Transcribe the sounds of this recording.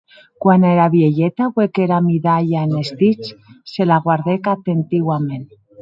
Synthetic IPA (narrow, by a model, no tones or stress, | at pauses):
kwaneɾaβjeʎet̪aβwekeɾamiðaʎaenest̪it͡ʃselaɣwaɾðekat̪ent̪iɣwamẽn